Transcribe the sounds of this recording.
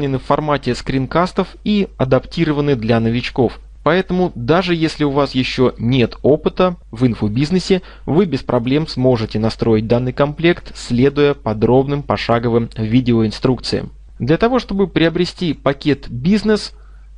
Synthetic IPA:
nʲɪnɨffɐrmatʲɪskɾʲinkast̪əfiɐd̪ɐptʲiɾəvənɨd̪lʲɐnəvʲɪt͡ɕko̞f | pɐɛt̪əmʊd̪aʐɨjesʲlʲɪʊvasjɪɕːo̞nʲe̞t̪o̞pɨt̪əvɨnfəbʲiznɨsʲɪ | vɨbʲɪspɾʔɐblʲe̞msmo̞ʐɨtʲɪnɐst̪ɾo̞ɪt̚ʲd̪anːɨjkɐmplʲe̞kt̪sʲlʲe̞d̪ʊjəpɐd̪ɾo̞bnɨmpɐʂaɡəvɨmvʲidʲɪoɪnst̪ɾukt̪sɨjə̰m | d̪lʲɐt̪ɐvo̞ʂt̪o̞bɨpɾʲɪəbɾʲɪsʲtʲipɐkʲe̞t̪bʲiznɨs

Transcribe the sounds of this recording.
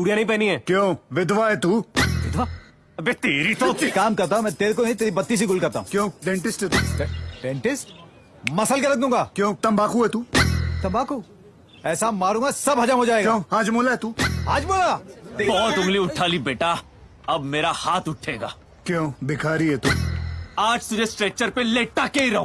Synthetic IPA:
ʃuːɽijãnɐɦĩpɛɦnĩɦɛːkjõːʋɪd̪ʋaɦɛt̪uːʋɪd̪ʋa | bet̪eːɾit̪okaːmkɐɾt̪aɦũmɛ̃t̪eːɾek̬onɦĩt̪eːɾibɐt̪ːis̬iɡʊlkɐɾt̪a̰ːɦũːkjõːɖẽːɳʈɪsʈɦɛt̪uːɖẽːɳʈɪsʈ | mɐsəlkeɾɐk̚d̪ũːŋɡaːkjõːt̪ɐmbaːkuɦɛt̪uːt̪ɐ̃mbʱaːkuː | ɛːsamaːɾũːŋɡasɐbɦɐd͡ʒəmɦod͡ʒaːeːɡaõːɦaːd͡ʒmoːlaɦɛt̪uːaːd͡ʒmoːlabɔːt̪ʊ̃ŋɡliʊʈʰaːlibeːʈa | ɐbmeːɾahaːt̪ʊʈʰːeːɡa̰ː | kjõːbɪkʰaːɾiɦɛt̪uːaːd͡ʒt̪ʊd͡ʒʱesʈɾeːt͡ʃəɾpeleːʈːakeiɾɐɦõː

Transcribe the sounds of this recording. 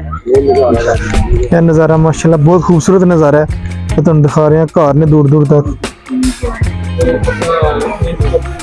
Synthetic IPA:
ɛ̃ːnəzaːɾãːmaːʃaːlːaːbɔːt̪xʰuːbsuːɾət̪nəzaːɾɛːt̪aːt̪ʊənd̪ɪkʰaːɾeãːkaːɾnẽːd̪uːɾd̪uːɾt̪akʰ

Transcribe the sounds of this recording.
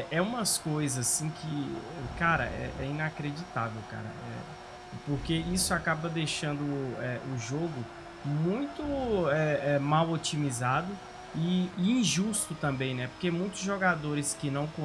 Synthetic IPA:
ʔɛũmɐskojzɐsĩkʰɪɛkaɾɐ̰ʔɛ̰ʔɛĩnakɾed͡ʒit̪avewka̰ɾɐ̰ɛ̰ | poɾkeisʊakabɐd̪eʃɐ̃nd̪ʊɛʔʊʒoɡʊ | mũj̃t̪ʊɛɛmawot͡ʃimizad̪ʊ | ɪĩʒust̪ʊt̪ɐ̃mbẽj̃nɛpoɾkemũj̃t̪ʊzʒoɡad̪oɾɪskɪnɐ̃w̃kõ

